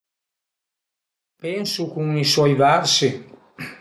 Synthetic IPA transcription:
pɛnsukuŋiswɔjvaɾsi

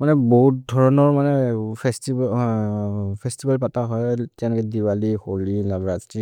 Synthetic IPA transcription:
manɛboɦut̚dʱɔɹɔnɔɹmanɛpʰɛstib | pʰɛstibalpataɦɔjtɛ̃lɔkɛdiwalixolilabɹazti

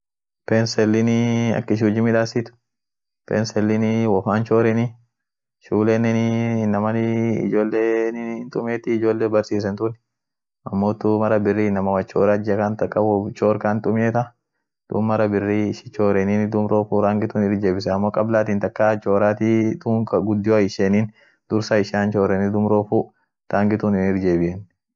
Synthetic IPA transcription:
pɛnsɛlːɪnɪɐ̰kːɪʃ̬uːd͡ʒɪmɪᶑaːsɪt̪ʊ̥ | pensɛlːɪnɪwɔfaːnt͡ʃoːɾɛnɪ | ʃuːleːnːɛnɪnːɐmɐnɪɪ̰d͡ʒo̞ːlːeːnɪnt̪ʼʊmeːt̪ɪɪd͡ʒo̞ːlːeːbɐɾsiːs̬ɛnt̪ʊn | ʔɐmːoːt̪ʊmɐɾɐbɪrːiːnɐmɐwɐt͡ʃoːɾad͡ʒɐkant̪ɐkʼːɐwt͡ʃoːɾkant̪ʼʊmeːt̪ɐ | d̪̥ʊ̰ːmmːɐɾɐbɪrːiːʃɪ̥t͡ʃo̞ːɾɛnind̪ʊmɾoːfuɾaːŋɡɪt̪uːnɪɾd͡ʒeːbɪsɛɐmːoːkʼɐblaːt̪iːnt̪ɐkʼːaːt͡ʃo̞ːɾaːt̪it̪uŋkɐɡʊd̪ːɪoɐɪʃeːniːn | d̪̥ʊɾsaɪʃaːnt͡ʃo̞ːɾɛnɪd̪ʊmɾoːfu | ɾaːŋɡɪt̪uːnɪnɪɾd͡ʒeːbɪʔɛn

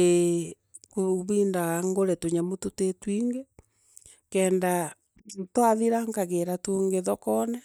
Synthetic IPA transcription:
e | kuβiːndaɣaŋɡoɾɛtoɲamototetwiŋɡe | kɛːnda | twaðiɾaŋkaɣeɾatoːŋɡeðɔkɔnɛ

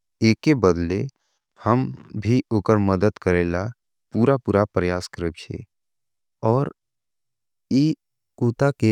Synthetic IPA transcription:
eːkːebəd̪le | həmbʱiʔʊːkəɾməd̪əd̪kəɾeːla | puːɾapuːɾapɾəjaːskəɾebt͡ʃʰḛː | ɔːɾ | iː | kuːt̪ake

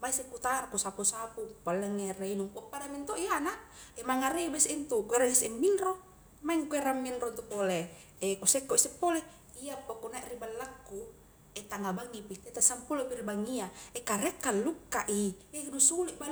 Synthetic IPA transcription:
maisekːut̪arkusapusapupalːeŋːereinuŋpuʔpadamint̪oʔianaemaŋareibɛsint̪ukueɾaisɛmːinro | maiŋkueɾamːinront̪upole | ekusɛkːoʔisɛpːole | iapːokunaɛʔribalːakːu | et̪aŋabaŋːipit̪et̪aʔsampulopilbaŋiaekaɾekːalːukːaʔienusuliʔba

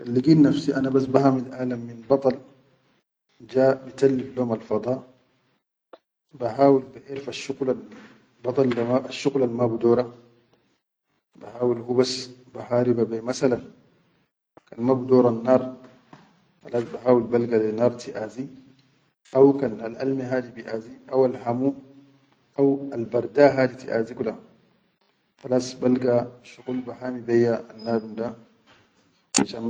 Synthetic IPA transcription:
kalːiɡiːnnafsiʔanabas̬bahaːmid̪ʔaːlamːinbɑt̪ˤɑl | d͡ʒaːʔbit̪alːibloːmalfɑd̪ˤɑː | baɦaːwilbaʔiːɾfaʃːuɡlal | bɑt̪ˤɑlaʃːuɣlalmabud̪oːɾˤɑ | bahaːwilhubasbaɦaːɾibabemasalan | kanmabudɔːɾanːaːɾ | falasbaɦaːwulbalɡalɛnaːɾtiʔazi | awkanalʔa̰lmiɦaːdibiʔaziʔawalɦamu | ʔawalbaɾˤdaɦaːditḭʔa̰zikula | falasbalɡaʃuɡulbaɦamibɛjːaanːaːdunda | iʃam

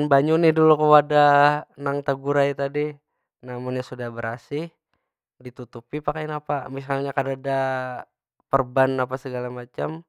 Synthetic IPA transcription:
nbaɲunɪhdulukəwadanaŋt̪aɡuɾajt̪adi | namʊnjasudahbəɾasɪh | dit̪ut̪upipakajnapamisalɲakadada | pərbanapasəɡalamat͡ʃam

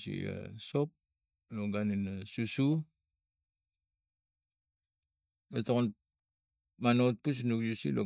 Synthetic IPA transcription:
sḭa̰sop̚ | loɡaninasusu | batoŋon | manot̚pus̬nukjusḭlo̰

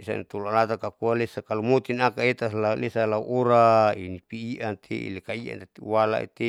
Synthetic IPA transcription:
isa̰nt̪ulualat̪akakualesakalumot̪inakaet̪alalesalauʔoɾainipiːʔant̪ʰeḭlekaia̰nt̪et̪iwala̰ḭt̪e

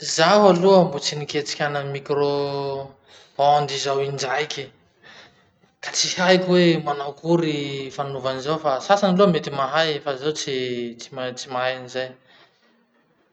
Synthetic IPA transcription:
zaɦaluambut͡siniket͡si̥kʲanəmikɾo | and̪izawind͡ʒajkʲi | kat͡sihajkʲwemanawkuɾifanuvanizawfasasanilumet̪imaɦajefazawt͡sit͡si̥mat͡simaaanizaj

